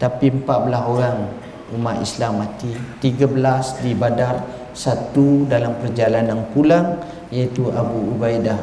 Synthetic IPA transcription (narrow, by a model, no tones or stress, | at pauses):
t̪apimpaʔ̚bəlaɦoɾaŋ | umat̪ḭslamːat̪it̪iɡabəlasdibadar | sat̪udalampərd͡ʒalananpulaŋ | jait̪uʔabuubajdah